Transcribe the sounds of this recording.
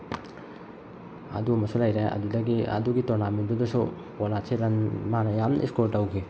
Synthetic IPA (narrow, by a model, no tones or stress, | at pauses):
ɐ̰duɐmɐsulajɾeɐ̰dudɐɡiɐ̰duɡitonamindudɐsu | alaseɾanmanɐjamnʔḭskoɾtɐwɡi